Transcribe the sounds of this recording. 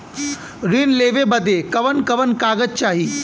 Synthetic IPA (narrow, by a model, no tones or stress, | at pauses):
ɾinleːʋebɐd̪ekɐʋənkɐʋənkaːɡəd͡ʒ̚t͡ʃaːɦiː